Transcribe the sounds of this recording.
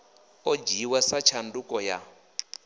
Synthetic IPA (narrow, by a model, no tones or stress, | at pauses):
ɔd͡ʒiwɛsat͡ʃʰandukɔja